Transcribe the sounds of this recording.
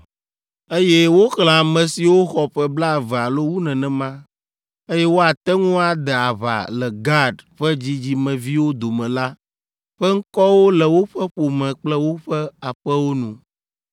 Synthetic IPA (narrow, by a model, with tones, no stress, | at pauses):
e˦jɛ˦wo˦xl̃ã˨a˨mɛ̃˨si˨wo˦xɔ˨ɸɛ˦bla˦˨vɛ˨a˨lo˦wu˦nɛ̃˨nɛ̃˨mã˦ | e˦jɛ˦wo˦a˨t̪ɛ˦ŋũ˦a˨d̪ɛ˨a˨βa̰˨lɛ˨ɡa˦ɖɸɛ˦d͡ʑi˦d͡ʑi˦mɛ̃˨vi˦wo˦d̪o˨mɛ̃˨la˦ | ɸɛ˦ŋ̩˦kɔ˦wo˦lɛ˨wo˦ɸɛ˦ɸo˨mɛ̃˨k͡plɛ˦wo˦ɸɛ˦a˨ɸɛ˦wo˦nũ˨